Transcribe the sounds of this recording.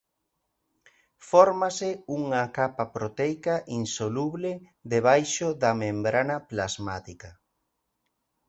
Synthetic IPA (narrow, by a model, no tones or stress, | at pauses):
fɔɾmasɪuŋakapɐpɾot̪ejkaʔinsoluβlɪ | ðeβ̞ajʃoðɐmẽmbɾanɐplazmat̪ikɐ